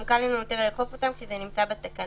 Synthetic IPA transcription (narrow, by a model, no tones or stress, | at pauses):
kalinunot̪evleeχo̞fo̞t̪amkʃezenimt͡sabet̪akan